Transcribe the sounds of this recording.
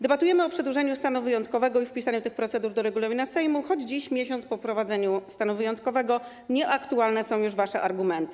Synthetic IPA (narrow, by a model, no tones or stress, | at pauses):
d̪ɛbat̪ujɛmɘɔpʂɛd̪wuʐɛɲust̪anuvɘjɔnt̪̚kɔvɛɡɔifpʲisaɲut̪ɘxpɾɔt̪sɛd̪uɾd̪ɔɾɛɡulɔvinasɛjmuxɔd͡ʑd͡ʑiɕmʲjeɕɔnt̪spɔpɾɔvad̪zɛɲust̪anuvɘjɔnt̪̚kɔvɛɡɔ | ɲɛʔakt̪ualnɛsɔ̃w̃juʐvaʂɛʔaɾɡumɛnt̪ɘ̥